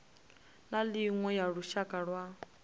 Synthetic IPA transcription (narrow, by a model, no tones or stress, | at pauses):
naliŋwɛjaɺuʃakʼaɺwa